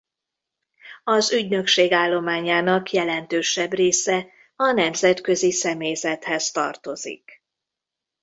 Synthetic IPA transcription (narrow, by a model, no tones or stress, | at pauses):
ɒzyɟnø̞kʃeːɡaːlːo̞maːɲaːnɒkjɛlɛnt̪øːʃɛbreːsɛ | ɒnɛmzɛt̪kø̞zisɛmeːzɛt̪hɛst̪ɒ̰rt̪o̞zḭk